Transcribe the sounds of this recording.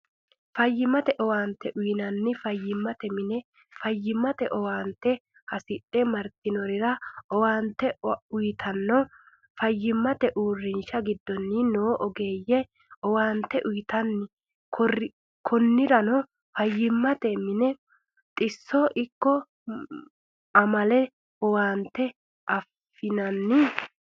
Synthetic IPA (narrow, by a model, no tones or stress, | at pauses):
fɐjːɪmɐt̪ɛʔɔwaːnt̪ːɛʔʊjɪnɐnːɪfɐjːɪmːɐt̪ɛmɪnɛ | fɐjːɪmːɐt̪ɛʔɔwaːnt̪ːɛ | hɐsɪɗːɛmɐɾt̪ɪnɔɾɪɾɐɔwaːnt̪ːɛʊjt̪ʰɐnːɔ | fɐjːɪmːɐt̪ɛʔuːrːɪnʃɐɡɪd̪ːɔnːɪnoːʔɔɡe̞ːjːɛ | ɔwaːnt̪ːɛʔʊjɪt̪ɐnːɪ | k | kʰɔnːɪɾɐnɔ | fɐjːɪmːɐt̪ɛmɪnɛ | t̪ʼɪsːɔʔɪkːɔ | ɐmɐlɛ | ɔwaːnt̪ːɛ | ʔɐfːɪnɐnːɪ